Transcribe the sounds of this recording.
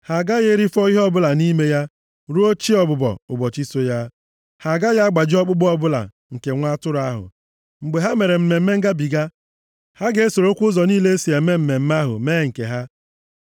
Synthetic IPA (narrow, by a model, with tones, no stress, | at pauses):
ha˨ɡa˦ɣe˦ɾi˦fɔ˦i˦ɦɔ˦bʊ˦la˨ni˦me˦ja˦ | ɾu˦o˦t͡ʃi˦ɔ˨bʊ˨bɔ̰˨ʊ˨bɔ˨t͡ʃi˦so˦ja˦ | ha˨ɡa˦ja˦a˦ɡ͡ba˨d͡ʒɪ˦ɔ˦k͡pʊ˦ɡ͡bɔ˦bʊ˦la̰˨ | ŋ̩˨ke˨ŋʷa˦tʊ˦ɾa˦ɦʊ̰˨ | ŋ͡m̩˨ɡ͡be˨ɦa˦me˨ɾe˨m̩˨me˨m̩˦me˦ŋ̩˦ɡa˦bi˨ɡa˦ | ha˦ɡe˨e˦so˨ɾo˦kʷʊ˦ʊ˦zɔ˨niː˦le˦e˦si˨e˨˦me˦m̩˨me˨m̩˦m˦a˦ɦʊ̰˨meː˦˨ŋ̩˨kḛ˨ɦa˦